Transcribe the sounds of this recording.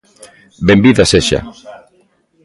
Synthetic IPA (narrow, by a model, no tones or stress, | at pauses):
bembiðaseʃa̰